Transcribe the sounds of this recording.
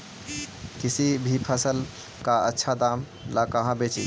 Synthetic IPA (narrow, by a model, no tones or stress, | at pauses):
kisibʱipʰəsəl | kaətːʃʰad̪am | lakəɦãbet͡ʃʰḭ